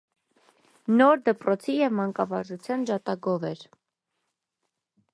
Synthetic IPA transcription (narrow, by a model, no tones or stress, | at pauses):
nɔɾd̪əpɾɔt͡sʰijɛvmɑŋkɑvɑɾʒut͡sʰjɑnʒɑt̪ɑɡɔvɛɾ